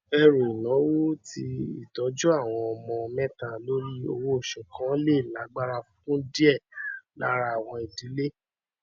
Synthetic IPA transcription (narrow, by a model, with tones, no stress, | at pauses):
ɛ˧ɾo˨i˨nã˨˦wo˦ti˧ḭ˨tɔ˨˦d͡ʒu˦a˦˨w̃ɔ̃˧ɔ˧mɔ̃˧mɛ̃˦ta˦˨lo˦ɾi˦o̰˧wo˧o˨ʃɛ̃˨kã˨˦le˦˨la˨˦ɡ͡ba˦ɾa˧fũ˦tũ˦di˦ɛ˦˨la̰˦ɾa˧˨w̃ɔ̃˧i˨di˨˦le˦